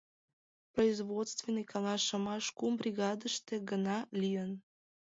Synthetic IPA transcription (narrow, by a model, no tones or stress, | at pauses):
proizβot̪st̪venikɑlɑʃə̆mɑʃkumbrʲiɣɑd̪əʃt̪eɡənɑlijən